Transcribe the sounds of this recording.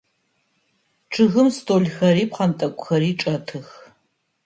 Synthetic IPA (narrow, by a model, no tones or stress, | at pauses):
ʈ͡ʂʰɨɣɨmstʰoːɮxɐɾiːp̚qɐntʼɐkʷʼʊxɐɾiːʈ͡ʂʼɐtʰɨx